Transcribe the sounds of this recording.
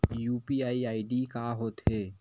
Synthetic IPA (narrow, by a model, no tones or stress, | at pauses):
juːpiaːiaːiɖikaɦoːt̪ɦeː